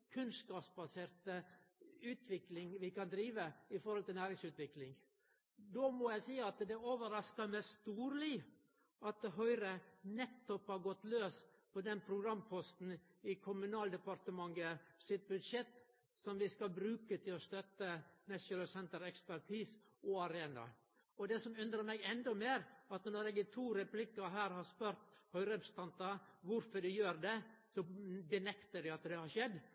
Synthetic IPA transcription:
kʰʉnskɑːpsbɑseːɾt̪əʉːt̪ʰʋɪklɪŋʋɪkɑnd̪ɾiːʋəɪfɔɾhɔlt̪ɪlnæːɾɪŋsʉːt̪ʋɪklɪŋ | d̪omɔjæɪsiːɑt̪d̪ɛoːʋəɾɑskəmɛst̪uːɾlɪ | ɑt̪̚d̪ɛɦœʏɾənɛt̪ːɔphɑɾɡɔt̪løːspʰɔd̪ɛnpʰɾʊɡɾɑmːpʰɔst̪n̩ɪkʰʊmʉnɑːld̪əpɑɾt̪əmɑŋɡəsɪt̪̚bʉd̪ʂɛt̪ː | sɔmʋɪskɑlbɾʉːkət̪ʰɪlɔst̪œt̪ːənɛsʊnlsɛnt̪əɾɛkspæɾʈʰiːs | ɔɑɾeːnɑ̰ | ɔd̪ɛsɔmʉnd̪ɾəmɛɪɡɛnd̪ɔmeːɾɑt̪nɔɾɛːɡɪt̪ʰuːɾɛplɪkːɑɦæːɾhɑspøɾt̪hœʏɾəpst̪ɑnt̪ɑʋʊɾfɔɖ̪ɛjøːɾd̪ɛsɔbənɛkt̪əɖɪɑt̪d̪ɛhɑɾʂɛd̪ː

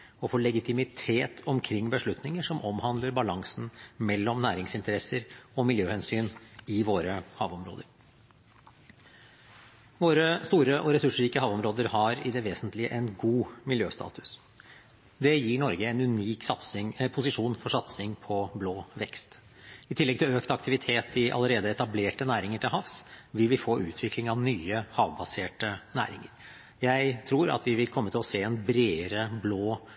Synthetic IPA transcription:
ɔfɔɭɛɡɪt̪ɪmɪt̪ʰeːt̪ʰɔmkʰɾɪŋːbəʂɭʉt̪nɪŋəʂɔmʔɔmhɑnd̪ləɾbɑlɑŋsn̩mɛlːɔmnæːɾɪŋsɪnt̪əɾɛsːəɾɔmɪljøːhɛnsyːnɪʋoːɾəhɑ̰ːʋɔmɾo̰ːd̪əɾ | ʋoːɾəst̪uːɾəʔɔɾɛsʉʂɾiːkəhɑːʋɔmɾoːd̪əɾhɑɾɪd̪ɛʋeːsənt̪lɪəʔɛnɡuːmɪljøːst̪ɑ̰ːt̪ʉ̥s | d̪ɛjiːɳɔɾɡəɛnʉniːksɑt̪sɪŋpʰʊsɪʂuːnfɔʂɑt̪sɪŋpʰɔbloːʋɛkst̪ | ɪt̪ʰɪlːɛɡ̚t̪ʰɪløːkt̪ɑkt̪ɪʋɪt̪ʰeːt̪ɪʔɑ̰ləɾeːd̪əɛt̪ɑbleːʈənæːɾɪŋəʈʰɪlɦɑfsʋɪlʋɪlfoːʔʉ̰ːt̪ʰʋɪklɪŋɑʋnyːəhɑːʋbɑseːʈənæ̰ːɾɪ̰ŋəɾ | jæɪt̪ʰɾuːɾɑ̰t̪ʰʋɪʋɪlkʰɔmːət̪ʰɪlɔseːɛnbɾeːɾəbloː

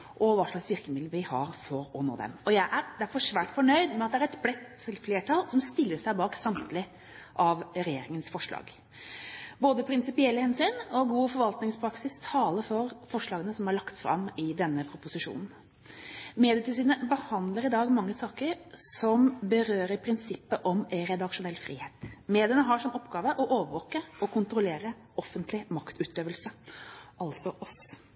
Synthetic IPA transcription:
ʔɔʋɑːʂɭɑksʋɪɾkəmɪd̪ləʋɪhɑ̰ːɾfɔɾɔno̰ːd̪ɛ̰mɔjæɪʔæɾd̪æɾfɔʂʋæːʈfɔɳœʏd̪mɛɑt̪d̪ɛæɾɛt̪blɛt̪ʰːɪlfleːʈʰɑlsɔmst̪ɪlːəʂæɪbɑːksɑmt̪lɪ | ʔɑʋɾɛjeːɾɪŋənsfɔʂɭɑ̰ːɡ | boːd̪əpʰɾɪnsɪpɪɛlːəhɛnsyːnɔɡuːfɔɾʋɑlt̪nɪŋspʰɾɑksɪst̪ʰɑːləɾfɔɾfɔʂlɑːɡənəsɔmhɑɭɑkt̪fɾɑ̰mːɪd̪ɛnːəpʰɾʊpʊsɪʂṵːnn̩ | meːd̪ɪət̪ʰɪlsyːnəbəhɑnd̪ləɾɪd̪ɑːɡmɑŋːəsɑːkəɾsɔmbəɾøːɾəɾpʰɾɪnsɪpːəʔɔmæɾɛd̪ɑkʂʊnɛlːfɾḭːheːt̪meːd̪ɪənəɦɑʂɔmɔpːɡɑːʋəʔɔʔoːʋəɾʋɔːkəɔkʰʊnt̪ɾʊleːɾə | ɔfːənt̪lɪmɑkt̪ʉːt̪d̪øːʋəlsəɑlt̪sɔʔɔs

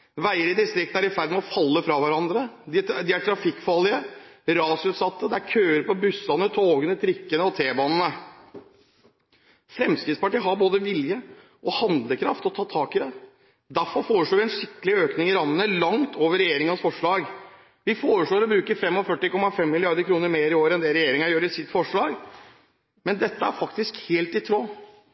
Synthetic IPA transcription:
ʋæɪəɾɪd̪ɪst̪ɾɪk̚t̪n̩æɾɪfæɾd̪mɛɔfɑlːəfɾɑʋæɾɑnd̪ɾəd̪ɪd̪ɪæʈʰɾɑfɪkːfɑlːɪəɾɑːsʉːt̪sɑt̪ːəd̪ɛæɾkʰøːəɾpɔbʉsːɑnət̪ʰoːɡənət̪ʰɾɪkːənəɔt̪ʰeːbɑːnənə | fɾɛmskɾɪt̪spɑʈiːəɦɑɾboːd̪əʋɪljə | ʔɔhɑnd̪ləkʰɾɑft̪ɔt̪ʰɑːt̪ʰɑːkɪd̪ɛ | d̪æɾfɔɾfoːɾəʂɭoːʋɪɛnʂɪkːəlɪøːknɪŋɪɾɑmːənəlɑŋt̪ʰoːʋəɾɛjeːɾɪŋɑnsfɔʂɭɑːɡ | ʋɪfoːɾəʂɭoːɾɔbɾʉːkəɾfɛmːɔfœʈːɪkɔmːɑfɛmːɪlɪɑɾd̪əɾkʰɾuːnəɾmeːɾɪoːɾɛnd̪ɛɾɛjeːɾɪŋɑjøːɾəɾɪsɪt̪ːfɔʂɭɑːɡ | mɛnd̪ɛt̪ːəæɾfɑkt̪ɪskheːlt̪ɪt̪ʰɾoː

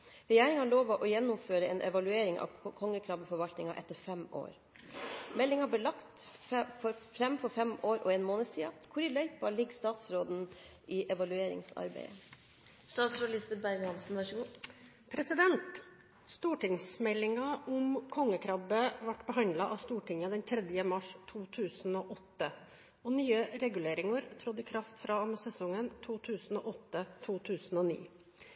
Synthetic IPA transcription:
ɾɛjæːɾɪŋhɑːɭoːʋɑʔɔjɛnːʊmføːɾəeːnʔɛʋɑlʉeːɾɪŋɑ̰ʋkʰɔŋːəkʰɾɑbfɔɾʋɑlt̪nɪŋɑʔɛt̪ːəɾfɛmo̰ːɾ | mɛlːɪŋɑbleːlɑkt̪ | fɔɾfɾɛmfɔɾfɛmoːɾɔ̰eːnmoːnəsiːɑkʰʊɾɪlœʏpɑlɪɡːst̪ɑːt̪sɾoːd̪n̩ʔɪʔɛʋɑlʉeːɾɪ̰ŋsɑ̰ɾbæ̰ɪə | st̪ɑːt̪sɾoːlɪsbɛt̪̚bæɾɡhɑnsn̩ʋɑʂɡu | pʰɾɛsɪd̪ɛnt̪ | st̪uːʈɪŋsmɛlːɪŋɑʔʊmkʰɔŋːəkʰɾɑbəʋɑʈːbəɦɑnd̪lɑʔɑʋst̪uːʈɪŋəd̪ɛnt̪ʰɾɛd̪jəmɑʂt̪ʰuːt̪ʰʉːsnoːʔɔt̪ːə | ɔnyːəɾɛɡʉleːɾɪŋɑɾt̪ʰɾɔd̪ɪkʰɾɑft̪fɾɑɑməsɛsɔŋːənt̪ʰuːt̪ʰʉːsn̩o̰ːʔɔt̪ːət̪ʰuːt̪ʰʉːsnɔːnḭː

